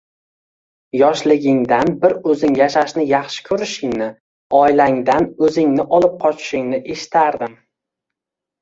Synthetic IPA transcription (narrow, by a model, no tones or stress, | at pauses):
jɒʃlɪɡʲɪŋd̪anbɪɾɵzɪŋjaʃaʃnɪjɑχʃɪ̥kʰɵɾɪʃɪŋnɪ | ɒjlaŋd̪anɵzɪŋnɪʔɒlˠɪp̚qʰɒt͡ʃʰɪ̥ʃɪŋnɪʔe̞ʃɪ̥t̪ʰaɾd̪ɪm